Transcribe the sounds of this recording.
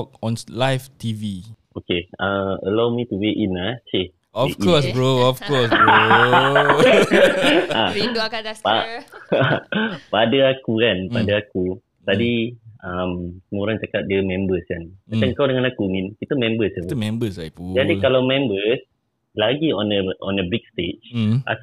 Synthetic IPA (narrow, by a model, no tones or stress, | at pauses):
ɔk̚ɔ̃nlajft̪iviʔokeaə̰lawmit̪uweʔinase | ɔekɔsbɹoɔfkɔsbo | a | paapadaakukanpadaaku | t̪adiamsmoɾaŋt͡ʃakat̪̚diəmɛ̃mbəskanmãt͡ʃaŋkawdəŋãnakuminkit̪əmɛ̃mbəsatmɛ̃mbəsaud͡ʒadikalawmɛ̃mbəs | laɡiɔnəʔɔ̃nəbik̚st̪ed͡ʒʔa̰